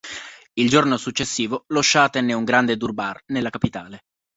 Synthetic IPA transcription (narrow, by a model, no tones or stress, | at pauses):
ild͡ʒornosut͡ʃːesːiːvoloʃːat̪ɛnːeuŋɡɾand̪ed̪urbarnelːakapit̪aːle